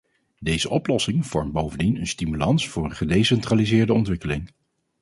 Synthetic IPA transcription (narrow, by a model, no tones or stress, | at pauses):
dejzəʔɔplɔsɪŋv̥ɔɹmt̚bowvəndinənstimylɑnsfʊːɹənχədejsɛntraːlizɪːɹdəɔntʋɪkəlɪŋ